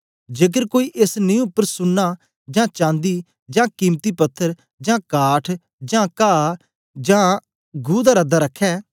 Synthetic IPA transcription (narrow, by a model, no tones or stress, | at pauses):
d͡ʒeːk̬əɾkoːiːʔesnĩːʊpːəɾsʊnːaː | d͡ʒãːt͡ʃãːnd̪iː | d͡ʒãːkĩːmt̪iːpət̪ʰːəɾ | d͡ʒãːkaːʈʰ | d͡ʒãːkaː | d͡ʒãː | ɡuːd̪aːɾəd̪aːɾəkʰːɛː